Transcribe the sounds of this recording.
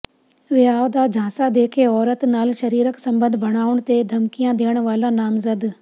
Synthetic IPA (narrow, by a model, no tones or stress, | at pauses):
ʋɪaːʋd̪aːd͡ʑʱãːsad̪eːkʰeɔːɾət̪naːlʃɐɾiːɾəksɐ̃mbə̃nd̪ʱbʱɐɽ̃aːʊɽ̃t̪ed̪ʱɐmkijãd̪eːəɽ̃ʋaːlanaːmzəd̪